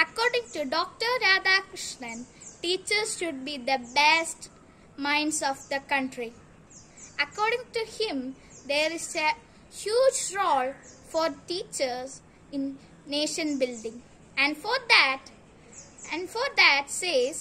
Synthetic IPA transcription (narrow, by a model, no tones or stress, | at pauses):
ɐkɔːɾɖɪ̃ŋʈuɖɔːk̚ʈəɾɾaːd̪akɾɪʃnə̃nʈiːt͡ʃəɾzʃʊɖ̚biːd̪əbesʈ | mãɪ̃ɳɖsɔːfd̪əkʌ̃ɳʈɾi | ɐkɔːɾɖɪ̃ŋʈuhɪ̃m | d̪eːɾɪze | hjuːd͡ʒɾoːlfɔːɾʈiːt͡ʃəɾz | ɪ̃nː | eːʃə̃nbɪlɖɪ̃ŋ | æ̃ɳɖfɔd̪æʈ | ɛ̃ɳɖfɔɾd̪æʈseːz